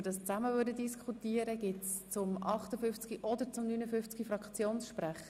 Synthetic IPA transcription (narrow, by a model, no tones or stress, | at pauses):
ədɑst͡sæməvødədiskʰχutiəɾəɡ̥ɪtst͡sʊmʔɑχtəfʏft͡skiʔɔdəɾt͡sʊmnyːnəfʏft͡sɡ̥ifɾɑkt͡sjoːnsʃpɾæχə